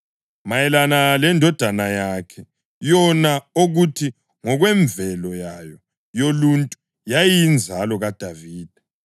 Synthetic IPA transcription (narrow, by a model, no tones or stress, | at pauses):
majɛlanalɛndʱɔd̥ʱanajakʰɛ | jɔnaoɣutʰi | ŋɔɣwɛɱbvʱɛlɔjajɔ | joluntʼu | jajind͡zʱalɔɣad̥ʱaviːd̥ʱɛ̥